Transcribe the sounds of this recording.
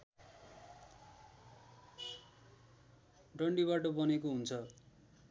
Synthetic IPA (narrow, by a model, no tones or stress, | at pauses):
ɖʌɳɖiβaʈʌbʌnekoɦunt͡sʰʌ